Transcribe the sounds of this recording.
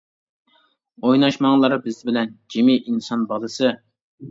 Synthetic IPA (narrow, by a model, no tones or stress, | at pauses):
ojnɑʃmɑŋlˠɑɾbɪzɪbɪlɛnd͡ʒemiʔinsɑnbɑlˠɨsɨ